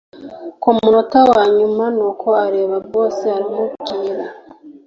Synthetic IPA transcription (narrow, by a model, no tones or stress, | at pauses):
kumuɾotawaːɲumanoːkʰoaɾeːβaβoːsiaɾimuɡiːɾa